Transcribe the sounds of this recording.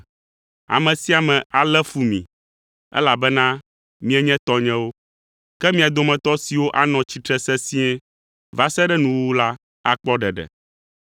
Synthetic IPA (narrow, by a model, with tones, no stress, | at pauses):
a̰˨mɛ̃˨si˦a˨mɛ̃˨a˨lɛ˦fu˨mḭ̃˨ | ɛ̰˦la˨bɛ˦nã˦ | mĩ˦ɛ˦ɲɛ̃˦t̪ɔ˦ɲɛ̃˦wo˦ | kɛ˦mĩ˨a˨d̪o˦mɛ̃˨t̪ɔ˦si˨wo˦ʔa˦nɔ̃˨t͡ɕi˨t̪ɾɛ˦sɛ˦sĩ˦ɛ˦ | va˦sɛ˦ɖɛ˦nũ˨wwu˦la˦ | a̰˦k͡pɔ˦ɖɛ˨ɖɛ̰˨